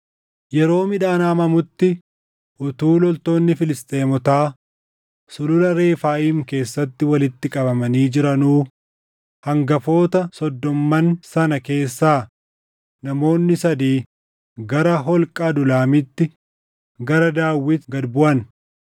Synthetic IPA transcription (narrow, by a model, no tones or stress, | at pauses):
jɛɾo̞ːmɪᶑaːnaːmɐmʊt̪ːɪ | ʔʊt̪uːlɔlt̪o̞ːnːɪfɪlɪst̪ʼe̞ːmɔt̪aː | sʊlʊlɐɾe̞ːfaːʔiːmke̞ːsːɐt̪ːɪwɐlɪt̪ːɪkʼɐbɐmɐniːd͡ʒɪɾɐnuː | hɐŋɡɐfo̞ːt̪ɐsɔd̪ːɔmːɐnsɐnɐke̞ːsːaː | nɐmo̞ːnːɪsɐd̪iː | ɡɐɾɐɦɔlkʼaːd̪ʊlaːmɪt̪ːɪ | ɡɐɾɐd̪aːwːɪt̪ɡɐd̪bʊʔɐn